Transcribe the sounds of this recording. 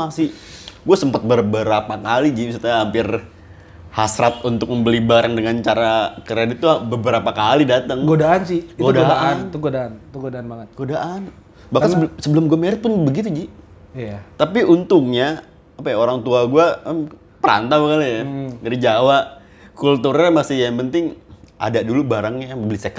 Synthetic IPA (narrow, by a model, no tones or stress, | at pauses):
asɪɡuasəmpat̪̚bərbəɾapakalid͡ʒisut̪aɦampɪr | hasɾat̪̚unt̪ʊk̚məmbəlibaɾaŋdəŋant͡ʃaɾakəɾedit̪ːubəbəɾapakalidat̪əŋɡodaʔansɪhiɡodaaant̪uɡodaant̪uɡodaanbaŋət̪̚ɡ̥odaʔan | bahasəbsəbəlʊmɡuameɾɪt̪̚pʊnbəɡit̪̬ud͡ʒɪjat̪apiʔunt̪ʊŋɲaː | pajaoɾaŋt̪uaɡua | pəɾa̰nt̪abakalajaɡəɾid͡ʒawa | kult̪uɾamasɪhjaŋpənt̪ɪŋa̰dadulubaɾaŋɲabəbəlisəka